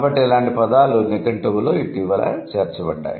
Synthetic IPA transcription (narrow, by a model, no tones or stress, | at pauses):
bɐʈːiɛlaːɳʈipɐd̪aːlunekɐɳʈubulo̞ːiʈiːʋɐlɐ̰t͡ʃeːɾt͡ʃɐbɐɖːa̰ːjḭ